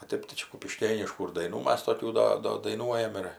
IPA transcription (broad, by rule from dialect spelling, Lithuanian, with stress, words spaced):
oː ˈtʲeːp tɐɪ ˈt͡ʃʲɛ kʊpʲɪˈʃʲkʲeːnʲɪʃkuː ɪr dɐɪˈnuː ˈmɐs toːˈkʲuː ˈdɐ ˈdoː dɐɪˈnuɔjɛm ɪr